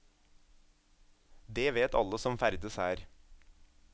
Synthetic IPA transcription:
d̪eːʋeːt̪ɑ̰ləsɔmfæɾd̪əsæːɾ

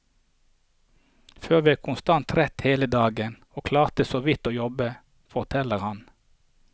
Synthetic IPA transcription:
føːʁʋiːæːkʰʊnst̪ɑnt̪ʁɛt̪heːləd̪ɑːɡən | oːkʰlɑːʁt̪əsoːʋɪt̪oːjɔbə | fɔʁt̪ʰɛləʁhɑn

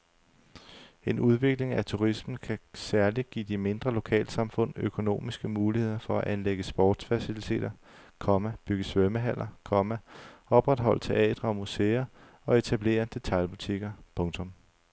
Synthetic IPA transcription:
e̝nuð̞ˠʋe̝ɡ̥le̝ŋæt͡sʰuʁism̥n̩kʰæsæɐliɡ̥ḭːd̥ime̝nd̥ʁɐlo̝kʰɛ̰ːlsɑ̈mfɔ̽n̰økʰo̝no̝̰ːmisɡ̥əmuːlihe̝ð̰ˠɐfɒ̽æʔænleɡ̥əsb̥ɒ̰ːd̥sfæsilit͡sʰe̝̰ːdɾ̥ɐ | kʰɒ̽mæb̥yɡ̥əsʋœməɦæl̰ɐkʰɒ̽mæɒ̽b̥ʁad̥ɦɒ̽l̰ət͡sʰe̝ʔɛ̰ːd̥ʁɐɒ̽muse̝ːɐ | ɒ̽e̝t͡sʰæb̥le̝̰ːɐd̥e̝t͡sʰɑ̈ɪlb̥ut͡sʰiɡ̥ɐpʰɔ̽ŋt͡sʰɔ̽m

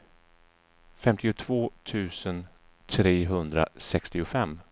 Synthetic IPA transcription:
fɛmt̪ɪʊt̪ʰvoːt̪ʰʉ̟ːsən | t̪ʰɾeːɦɵnd̪ɾa̰sɛkst̪ɪʊfɛmː

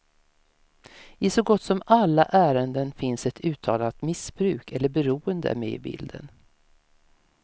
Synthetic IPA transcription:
ɪsɔɡɔt̪ːsɔmalːa̰ʔæːɾənd̪ənfɪnsɛt̪ʰʉ̟ːt̪ʰɑːlat̪mɪsb̥ɾʉ̟ːkʰɛlːəɾbɛɾuːənd̪ə̰æ̰ɾmḛːɪbɪ̰ld̪ə̰n

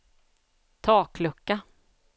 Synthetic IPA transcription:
t̪ʰɑːkʰlɵkːa

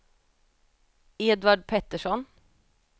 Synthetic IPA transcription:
eːd̪ʋɑɖpʰɛt̪ːəʂɔn

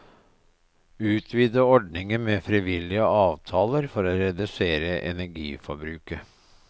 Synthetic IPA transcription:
ʉːt̪ʰʋiːd̪əɔɖnɪŋəmeːfɾiʋɪlɪəɑːʋt̪ʰɑːləɾfɔɾɔɾɛd̪ʉseːɾəʔɛ̰næɾɡḭːfɔbɾʉːkə

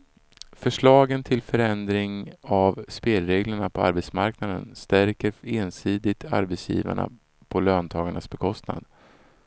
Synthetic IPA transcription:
fœʂɭɑːɡənt̪ʰɪlfœɾɛnd̪ɾɪŋavspeːlɾeːɡləɳapʰɔa̰ɾbɛt̪smaɾknad̪ə̰nst̪æɾkəɾeːnsiːd̪ɪt̪ʰa̰ɾbɛt̪sjḭːva̰ɳa̰ | pʰɔløːnt̪ʰɑːɡaɳasbɛkʰɔst̪na̰d̪

